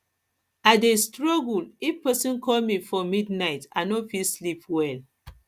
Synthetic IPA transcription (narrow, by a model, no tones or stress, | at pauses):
adestɹɔɡulifpɛsĩnkɔlmifɔmidnaɪtã̰nɔfilslipwɛl